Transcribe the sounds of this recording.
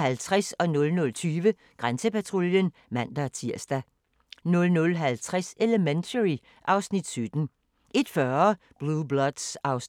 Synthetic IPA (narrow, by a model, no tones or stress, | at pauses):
ælt͡sʰʁɛsɒ̽nɔ̽lnɔ̽lt͡sʰyːʋə | ɡ̥ʁansəpæt͡sʰʁoljən | mæn̰d̥æt͡sʰiɐ̰sd̥æ | nɔ̽lnɔ̽lɦælt͡sʰʁaseləment͡sʰəʁi | ʔɑ̈ʊsnid̥sød̥n̩ | ʔe̝d̥fɶɐɐ | b̥luːblɒd̥sɑ̈ʊs